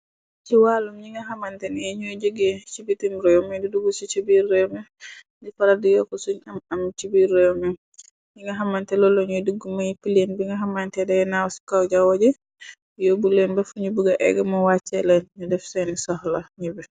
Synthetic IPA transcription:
t͡ʃiwaːlumɲiŋɡaɦamantɛnɛɲud͡ʒoɡɛt͡ʃibitimɾɔjomɛdiduɡusit͡ʃibiɾːɛjmɛ | difaɾadijɔkɔsuɲamamt͡ʃibiɾːɛjɔmɛ | ɲiŋɡaɦamantɛlɔlɔɲuduɡːumajipilenbiŋɡɐɦamantɛdɛjɛnawsi̥kawd͡ʒawɔɟɛ | jobulɛnbɛfuɲubuɡaʔɛ̰ɡɛmɔwat͡ʃːɛlɛnɲudɛfsɛnisɔhlaɲibɛ

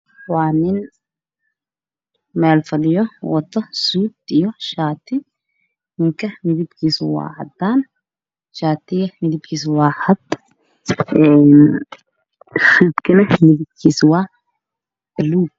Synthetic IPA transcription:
waːnɪn | maːlfɐlɪjɔwɐt̪ːɐsuːt̪ɪjɔʃaːt̪ːɪ | mɪŋkɐnɪd̪ɪbkiːswa̰ːʕɐ̰d̪ːaːn | ʃaːt̪ːɪjmɪd̪ɪbkis̬waːħɐd̪ | ɛn | sibkɪnɐnɪd̪ɪb̚kʰiswaː | ɪluː

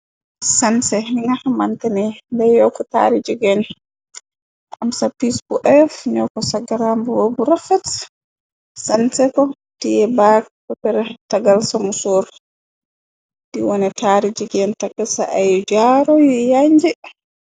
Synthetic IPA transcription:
sansɛɦiŋamantɛnɛndɛjɔkɔta̰ɾid͡ʒiɡɛn | ʔamsapisbuʔɛfɲɔkɔsaɡaɾambuwobuɾafat | sansɛkɔ | tiɛbakpɔpɛɾɛtaɡalsamusoɾ | d̥iwɔnɛtaɾid͡ʒiɡɛntaɡasa̰ʔajd͡ʒaɾɔjɛjaɲd͡ʒɛ

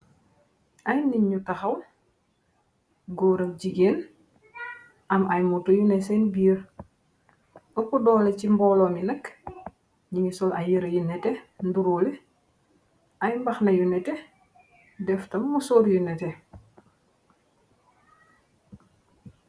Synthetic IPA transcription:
ʔɐjniɲɲutaxɐw | ɡɔːɾɐk̚ɟiɡeːn | ʔɐmɐjmutɔjunɛsɛnbiːɾ | ɔpudɔːlɛcimbɔlɔminɐk | ɲiŋisɔlɐjəɾɐjunɛtɛnduɾoːlɛ | ʔɐjmbɐxnɐjunɛtɛ | dɛftɐmːusɔɾjunɛtɛ

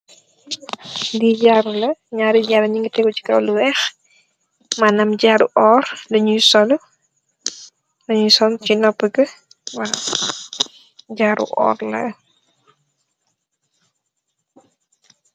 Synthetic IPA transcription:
diɟaɾulɐɲaːɾiɟaɾɐɲiŋɡitɛɡuci̥kɐ̰wluwɛx | manɐmɟaɾuʔɔːrlɐɲujsɔlu | lɐɲujsɔncinɔpːəɡɐ | wa | ɟaːɾṵʔɔ̰ːɾlɐ̰

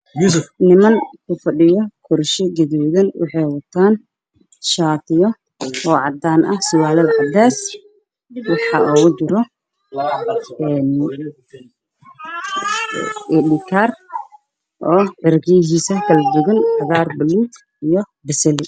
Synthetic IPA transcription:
jusfnɪmɐŋkʰʊfɐɗɪjɔkʰɔɾʃɛɡɛðuːðɐnwʔɑ̰ħɑjwɐt̪ʰaːn | ʃaːt̪ʰɪjɔ | ɔːʕɑd̪aːnʔɐhsɪwaːlɐðɐʕɑd̪aːs | wɑħɑʔɔːɣʊd̪ʊɾɔ | ɛːn | ɛɗɪkʰaːr | ʔɔːʕɪrɡiɦiːsɐkʰɐlɐd̪ʊɣɐntɐɣaːrbɐluːt̪ | ijɔ | bɐsɛlɪ

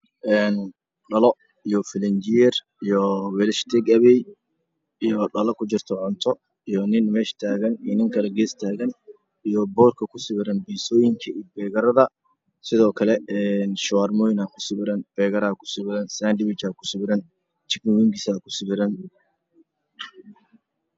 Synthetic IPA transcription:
ʔɛːn | ɗɐlɔ | ijɔfɪlɛnd͡ʒɪjɛr | ijɔwɛlʃt̪ʰɛɡɐβɛj | ijɔɗɐlɔkʰʊt͡ʃɪrt̪ʰɔʕʊnt̪ʰɔ | ijɔnɪnmɛːʃt̪ʰaːɣɐninɪŋkʰɐlɐɡeːst̪ʰaːɣɐn | ijɔbɔːrkʰɐkʰʊsɪβɪɾɐnbiːsɔːjɪŋkʰɐibɛːɣɐɾɐðɐ | sɪðɔːkʰɐlɛɛnʃɐwaːrmɔːjɪnaːkʰʊ̥sɪβɪɾɐnb̥ɛːɣɐɾɐkʰʊ̥sɪβɪɾɐnsaːndɪβɪt͡ʃaːkʰʊ̥sɪβɪɾɐn | t͡ʃɪknɪwiŋkɪsaːkʰʊ̥sɪβɪɾɐn

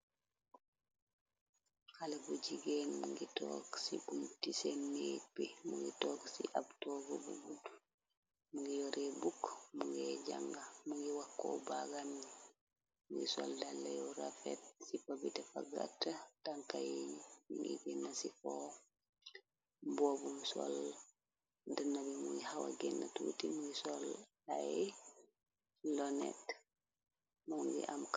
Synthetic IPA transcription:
halabud͡ʒiɡɛnmuŋɡitɔksibumtisɛnːepimuŋɡitɔksiʔabtɔɡɔbṵɡudu | muŋɡijɔɾɛbukːmuŋɡɛd͡ʒaŋɡamuŋɡiwakːɔ̰baɡami | muŋɡḭsɔ̰ldalːa̰jɔɾafɛ̰t̚sipabitɛfaɡa̰tːataŋkajimiŋɡḭɡinːasifɔ | bobumso̰l | dənabimuɡihawa̰ɡinːatṵtimuŋɡisol | ae | lonɛ̰t | muŋɡḭʔamk

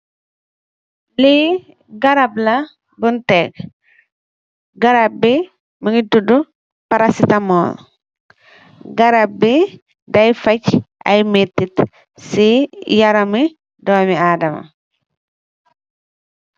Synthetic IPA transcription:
li | ɡɐɾablɐ | buntɛk | ɡɐɾab̚i | məŋitudu | pɐɾasitɐmɔːl | ɡɐɾab̚bi | dɐjfɐcʔɐ̰jmetːit | sijɐɾɐmi | dɔːmiaːdɐmɐ̰

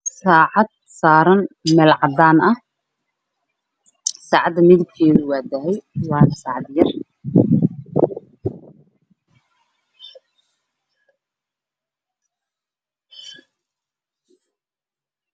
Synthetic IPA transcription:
saːʕɑd̪̚saːɾɐnmɛlʕɑd̪aːnɐh | saːʕɑd̪ːɐmɪðɪb̚kʰɛːðʊwɑːd̪ɐɦɛjwɑːnɐsaːʕɑd̪jɐr

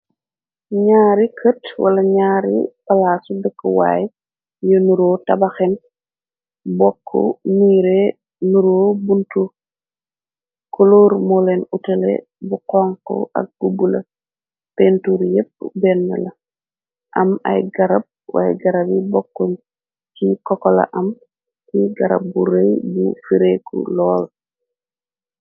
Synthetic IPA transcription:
ɲaːɾikʰətwɐ̰lɐɲaːɾḭpalaːsubɛkːɔwa̰ːj | jonuɾoːtɐbaxen | bɔkʰːo̰miːɾe | nuɾoːbuntu | koloːɾmolenutelḛ | buqɔŋko̰a̰k̚b̥ubula | pentuɾjep̚ːbɛnːa̰la | ʔama̰jɡaɾab̚wa̰jɡaɾabibɔkːon | kikɔkola̰ʔɐm | kiɡaɾa̰b̚buɾejbṵfiɾekṵlɔːl

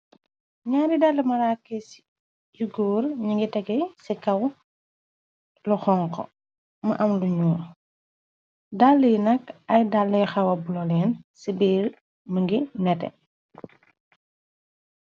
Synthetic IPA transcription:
ɲaːɾidalːɐmɐɾakːɛs | juɡɔːrɲiŋɡitɛɡɛsikɐw | luxɔŋkɔ̰ | mɐʔɐmluɲuː | dalːijnɐkɐjdalːɛxɐwɐbulɔlɛːnsibiːl | məŋɡinɛtɛ̰

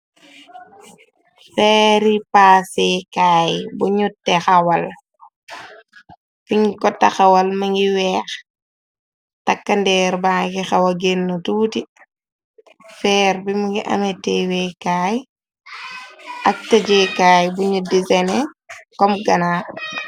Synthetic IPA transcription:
fɛːɾipaːsekaːjbuɲutːɛxɐwɐl | fiŋɡikɔtːɐxɐwɐlmɐŋɡiwɛːx | tɐkːɐndɛːɾbaːkixɐwɐɡenːutuːti | fɛːɾbimuŋɡiʔɐ̰metːewɛkaːj | ʔɐk̚tɐd͡ʒekaːjbuɲudisɛnɛkɔmɡɐnaː

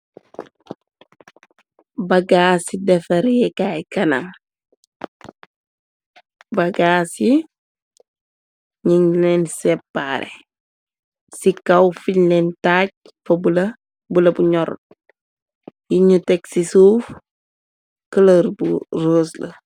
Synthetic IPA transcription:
bɐɡaːsidɛfɐɾɛkajkɐnɐ̰m | bɐɡaːsi | ɲiŋlɛnsɛpːaɾɛ̰ | sikɐwfiɲlɛntaːɟ̚ | fɐbulɐ | bulɐbuɲɔɾɔ̰t̚ | jiɲutɛksisuːf | kəlɐɾburoːslɐ̰

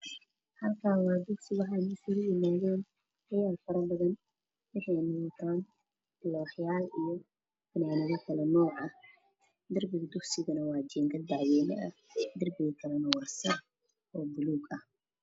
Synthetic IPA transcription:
hɐlkʰaːwɑːd̪ʊksɪɣʊħajnɐsɪɣʊjɪmaːðɛːn | wɐjaːfɐɾɐbɐðɐn | wɪħɑjnʊt̪ʰaːn | lɔːħjaːlijɔ | fɐnaːnɪɣɐkʰɐlɛnɔːʕɐ | d̪ɐrbɪɣɐd̪ʊχsɪɣɐnɐwɑːd͡ʒɛːŋkʰɐd̪aʕwɛːnɛʔɐd̪ɐrbɪɣɐkʰɐlɛnɐwɐrsɐ | ɔːbʊluːɡɐh

